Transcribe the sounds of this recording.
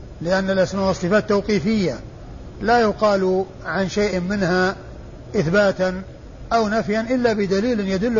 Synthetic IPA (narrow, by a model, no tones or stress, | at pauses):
lɪʔanːalʔasmaːʔwɑsˤɨfaːt̪ːawqiːfɪjːa | lajʊqɑːlu | ʕanʃeːʔmɪnha | ʔɪθbaːt̪an | ʔawnafjanʔɪlːabɪd̪aliːlɪnjad̪ʊlː